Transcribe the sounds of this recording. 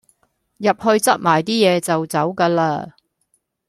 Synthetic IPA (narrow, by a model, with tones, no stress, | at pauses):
jɐ˨p̚hɵ˧ɥt͡sɐ˥t̚maː˨˩jt̪iː˥jɛː˨˧t͡sɐ˨wt͡sɐ˨˥wkaː˧laː˧